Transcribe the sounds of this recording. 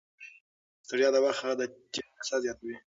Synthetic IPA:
st̪aɽijɑd̪awaxaɣad̪əd͡ʒeasazjɑt̪awi

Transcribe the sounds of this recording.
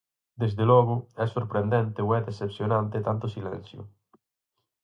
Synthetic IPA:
d̪ezðelɔɣoɛsːoɾpɾend̪ent̪ewɛd̪esepsjonãnt̪et̪ant̪osilɛ̰̃n̟θjo̰

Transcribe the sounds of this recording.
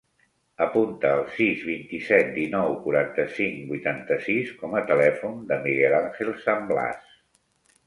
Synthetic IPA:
əpunt̪əːlˠsizβint̪isɛt̪̚d̪inɔwkuɾant̪əsiŋbujt̪ant̪əsiskɔmət̪əlɛfund̪əmiɣɛlaŋxelˠsəmbla̰s

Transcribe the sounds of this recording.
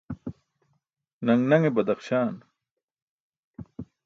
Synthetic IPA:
nɐŋnɐŋebɐd̪ɐχɕaːn

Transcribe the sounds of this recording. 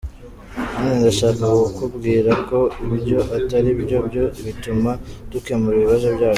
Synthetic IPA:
medaʃaːkawokubɡiːɾako̞ibjo̞ʔataɾibɟo̞bɟo̞βitumad̥ukemuɾiβiβazo̞bɟaː

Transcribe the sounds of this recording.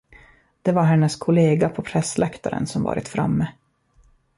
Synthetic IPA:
d̪̥ɛvaɾɦɛnːəskʰʊleːɡapʰɔpʰɾɛsːlʔɛkt̪aɾə̰nsɔmvɑ̰ːɾʔɪt̪fɾa̰mːə

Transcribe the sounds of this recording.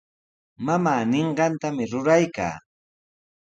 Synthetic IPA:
mamaːnɪɴɢɑnt̪amɪɾʊɾajka̰ː

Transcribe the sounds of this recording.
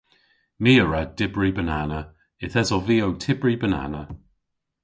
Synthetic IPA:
miːəɹɛd̥ɪbɹibənanə | ɪθɛzɔlˠviːowtʰɪbɹibəna̰nə

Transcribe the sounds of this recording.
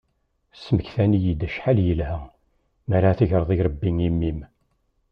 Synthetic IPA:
səməkθænijid̪æʃħaljəlɦæ | mæɾaθəʝɾˤəðˤiɾˤəbːiŋimːim

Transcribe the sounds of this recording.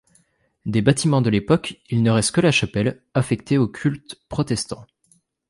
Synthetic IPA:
d̪ebat̪imɑ̃d̪əlepɔkʲilnəʁɛst̪kəlaʃapɛl | afɛk̚t̪eokʲʰylt̪pχɔt̪ɛst̪ɑ̃

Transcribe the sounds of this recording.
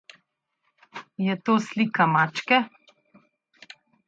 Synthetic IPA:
jɛt̪oːslikamaːt͡ʃkɛ

